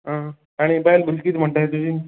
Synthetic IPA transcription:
ɦã | aɽ̃ibaelbəlkiːt̪m̤əɳʈ̪aɦet̪ud͡ʑiːn

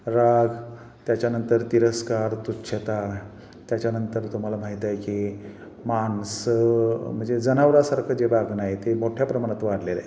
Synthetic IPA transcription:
ɾaɡ | t̪jat͡ɕjanənt̪əɾt̪iɾəskaɾt̪utːɕʰet̪a | t̪jat͡ɕjanənt̪əɾt̪um̤alam̤aɦit̪ajki | mansəm̤əɳd͡zed͡zənaʋɾasaɾkʰəd͡ʑebaɡnajet̪emoʈʰjapɾəmaɽ̃at̪ʋaɽlela̰j

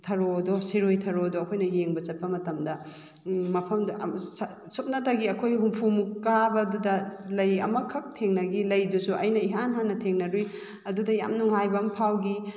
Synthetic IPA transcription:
tʰɐɾodosiɾojtʰɐɾodoːkʰojnɐjeŋbɐt͡ʃɐt̚pɐmɐtɐmdɐ | mɐpʰɐmdʔs | sup̚nɐtaɡiɐkʰojɦumpʰumkabɐdudɐlɐjɐ̰mɐkʰɐk̚tʰeŋnɐɡilɐjdusuʔɐ̰jnɐiɦanɦanːɐtʰeŋnɐɾuj | ɐdudɐja̰mnuŋɦajbɐmpʰawɡi

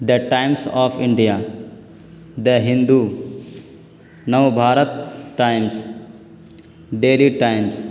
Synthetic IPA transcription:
d̪əʈãɪmsɔːfʰɪ̃ɳɖija | d̪əɦɪ̃nd̪u | nəʋbʱaːɾət̪̚ʈaɪms | ɖeːliʈaɪms

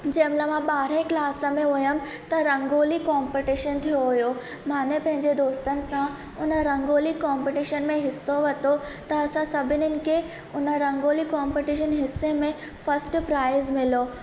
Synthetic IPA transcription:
d͡ʑɐːmlamãɓaːɾẽklaːsə̆mẽʊjəm | t̪ɐɾɐ̃ŋɡoːlikaːmpɪʈiʃənt̪ʰijoɦʊjo | maːnepɐ̃ɦɪ̃ɲd͡ʑed̪oːst̪ənɪ̆sã | ʊnəɾɐ̃ŋɡoːlikɔːmpiʈiʃənmẽɦɪsːoʋɐt̪ot̪ɐːsãsɐbʱɪnɪnɪ̆kʰe | ʊnəɾɐ̃ŋɡoːlikaːmpiʈiʃənɦɪsːemẽ | fɐsʈpɾaːɪzmɪlo

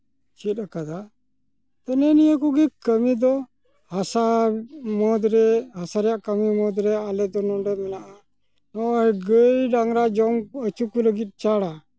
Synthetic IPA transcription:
t͡ʃit̪̚akad̪a | t̪ənɛnijək̬uɡɛkəmid̪ɔ | hasamɔd̪ɾɛɦasaɾɛjaʔkamimɔd̪ɾɛalɛd̪ɔnɔɖɛmɛnaʔa | nɔʔjɡəjɖaŋɾad͡ʒɔmət͡ʃukuləɡit̪̚ˀt͡ʃaɽa

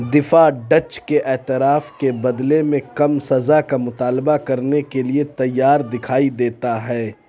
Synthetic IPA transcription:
d̪ɪfaɖɐt͡ʃkeʔɛːt̪ɪɾaːfkebɐd̪lemẽkɐmsɐzakamʊt̪aːlbakɐɾnekeliet̪ɐjːaːɾd̪ɪkʰaːid̪eːt̪aɦɛː

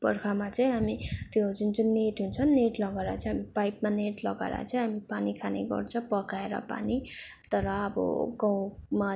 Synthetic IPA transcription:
bʌɾkʰamat͡saĩɦamit̪jod͡zunt͡sunneʈɦunt͡sʰʌnːeʈlʌɡaɾa̰t͡sʰʌ̃ɦamipajpmaneʈlʌɡa̰ɾa̰t͡sʰʌ̃ɦamipanikʰanḛɡʌ̰rt͡sʰʌpʌkaeɾʌ̰pa̰nit̪ʌɾʌːbʌ̰ɡʌ̃w̃ma

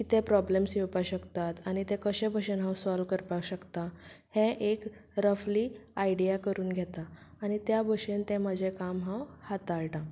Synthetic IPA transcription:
kit̪ɛ̃pɾɔblemsjewpaɕəkt̪at̪añit̪ɛ̃kəɕẽbʱəɕenɦãwsɔlʋkəɾpaɕəkt̪ahẽʔekɾəfliːaiɖijakəɾuːnɡʱɛt̪aːɽ̃it̪jabʱəɕent̪ɛ̃m̤əd͡ʑʱekamɦãwhat̪aɭʈã

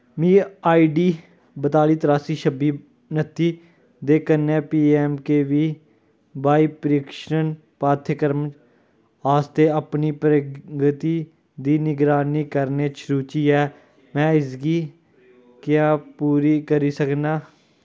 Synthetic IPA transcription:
mĩːaːiːɖiː | bət̪aːliːt̪əɾaːsiːʃəbiː | nət̪ʰiː | d̪eːkənːɛ̃ːpiːɛːmkeːʋiː | baːiːpəɾiːkʃən | paːt̪ʰəkəɾm | aːst̪eːəpniːpɾəɡət̪iː | d̪iːnɪɡɾaːniːkəɾneːt͡ʃʰɾuːt͡ʃiːɛː | mɛ̃ːɪsɡiː | kjaːpuːɾiːkəɾiːsəknaː

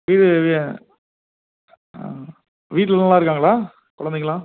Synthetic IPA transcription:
ʋiːɾɯ | ʋiːʈ̬ːlɐlnɐlːãːɪɾɯkːaːŋɡɐɭaː | kɔɽɐnd̪ɛŋːɐlãː

